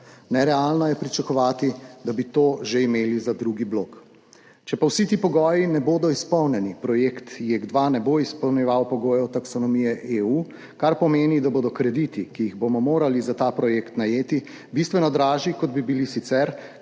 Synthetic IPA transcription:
nɛɾɛalnɔjɛpɾit͡ʃakɔʋaːt̪id̪abit̪oːʒeimeːlizad̪ɾuɡibloːk | t͡ʃɛpawsit̪iːpɔɡɔːjinɛboːd̪ɔispɔwnɛnipɾɔjekt̪jeɡd̪ʋanɛboispɔwnjɛʋawpɔɡoːjɔt̪aksɔnɔmijɛʔeuː | kaɾpɔmeːnid̪abod̪ɔkɾɛd̪it̪ikiːɣbomɔmoːɾalizat̪aːpɾɔjekt̪najeːt̪i | bist̪ʋɛnɔd̪ɾaːʒikɔd̪bibilisit̪sɛɾ

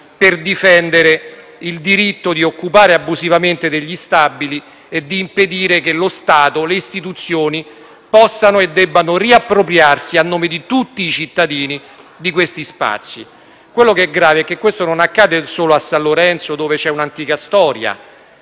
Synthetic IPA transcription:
perd̪ifɛnd̪eɾe | ild̪iɾit̪ːod̪iokːupaːɾeabːuzivament̪ed̪eʎːist̪abːili | ed̪ːiːmped̪iːɾekelost̪aːt̪oleist̪it̪̬ut̪sːjoːni | pɔsːanoed̪ːɛbːanoriapːɾopɾjarsianːoːmed̪it̪ut̪ːiːt͡ʃit̪ːad̪iːni | d̪ikwest̪ispa̰t̪sːi | kwelːokeɛɡɾaːveɛkːekːwest̪ononakːaːd̪esoːloasːanlloɾɛnt̪sod̪oːvet͡ʃɛunant̪iːkast̪ɔːɾja̰

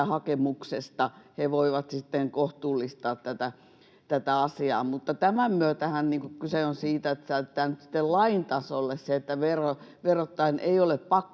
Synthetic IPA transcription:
æhɑkemuksest̪ɑheʋoiʋɑt̪sit̪ːeŋkoht̪uːlːist̪ɑːt̪t̪æt̪æ | t̪æt̪æɑsiɑ̰ːmut̪ːɑt̪æmæmmyøt̪æhænniːŋkukkyseonsiːt̪æet̪ːsæt̪ːæːnyt̪sĭ̥t̪ːellɑint̪ɑsolːesseet̪ːæʋeroʋerot̪ːɑinʔḛioleppɑkː

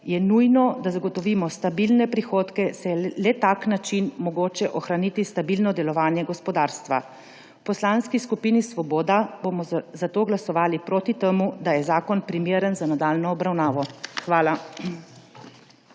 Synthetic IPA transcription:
jɛnujnɔd̪azaɡɔt̪ɔʋiːmɔst̪abilnɛpɾixoːt̪kɛsɛlɛt̪aknat͡ʃinmɔɡoːt͡ʃɛʔɔxɾaniːt̪ist̪abilnɔd̪ɛlɔʋaːnjɛɡɔspɔd̪aːɾst̪ʋa̰ | wpɔslanskiskupiːnisʋɔboːd̪abomɔzat̪oːɡlasɔʋaːlipɾoːt̪it̪emud̪ajɛzaːkɔnpɾimeːɾənzanad̪aːlnɔːbɾawnaːʋɔxʋaːla

